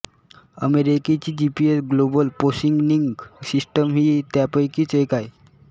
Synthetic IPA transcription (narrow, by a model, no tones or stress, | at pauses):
əmeɾiket͡ɕiːd͡ʑipiesɡlobəlposiŋɡniŋɡsisʈəmɦiːt̪japəjkiːt͡sekaj